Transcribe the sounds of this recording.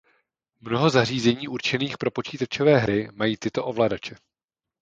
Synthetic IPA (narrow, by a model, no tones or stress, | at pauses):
mno̞ɦo̞zariːzɛɲiːʔuɾt͡ʃɛniːxpɾo̞po̞t͡ʃiːt̪at͡ʃovɛːɦɾɪmajiːt̪ɪt̪o̞ʔo̞vlaːdat͡ʃɛ